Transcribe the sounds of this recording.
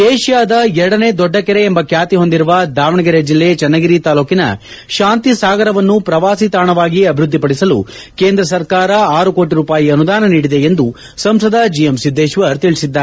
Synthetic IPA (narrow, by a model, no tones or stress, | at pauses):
eːʃjaːd̪ɐɛɾɐɽɐne̞ːd̪ɔɖːɐkɛɾeembɐkjaːt̪iɦo̞nd̪iɾuʋɐd̪aːʋɐɳɐɡɐɾɐd͡ʒilːet͡ʃɛnːɐɡiɾit̪aːluːkinɐ̰ | ʃaːnt̪isaːɡɐɾɐʋɐnːupɾɐʋaːsit̪aːɳɐʋaːɡiɐbʱiɾud̪ːipɐɽisɐlṵ | keːnd̪ɾɐs̬ɐɾkaːɾɐaːɾukoːʈiɾuːpaːjiɐnud̪aːnɐniːɽid̪e̞end̪u | sɐmsɐd̪ɐd͡ʒijemsid̪ʱːeːʃʋɐɾt̪iɭisid̪ːaː